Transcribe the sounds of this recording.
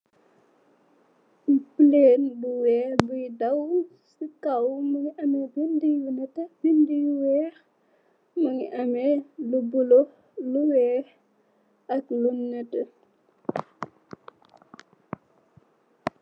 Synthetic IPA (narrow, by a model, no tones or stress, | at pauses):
pleːnluwɛːhbujdɐw | sikɐwmɐŋiʔɐmɛbindijunɛtɐbindijuwɛːɾ | mɐŋḭʔɐmɛlubulɔ | luwɛːh | ɐklunːɛtɐ